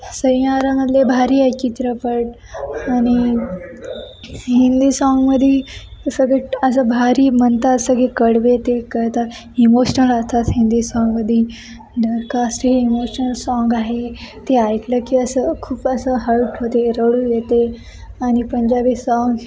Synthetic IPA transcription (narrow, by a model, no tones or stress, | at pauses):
sə̃jaɾaməd̪ljebʱaɾiajt͡ɕit̪ɾəpəʈ | añi | ɦind̪iːsɔŋɡməd̪ʱːjesəɡeʈəs̬əbʱaɾiːmənt̪asəɡekəɽʋet̪ekəɾt̪at̪ | imoɕənəlat̪ʰat̪ɦind̪iːsɔ̃ŋɡməd̪ʱːje | ɖ̪əɾkasʈɦeimoɕnəlsɔŋɡaɦet̪eajkləkiəsəkʰuːpəsəɦəlʈɦot̪eɾəɽujet̪e | añipəɲd͡ʑabiːsɔŋɡ